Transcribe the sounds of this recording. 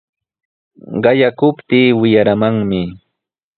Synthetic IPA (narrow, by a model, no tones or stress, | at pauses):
ɢɑjakʊpt̪iːwɪjaɾamaŋmɪ